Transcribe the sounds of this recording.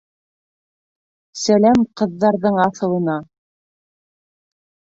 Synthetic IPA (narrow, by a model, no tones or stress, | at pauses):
sælæmqɤ̆ðːɑɾðɤɴɑθɤ̆lˠɤ̆nɑ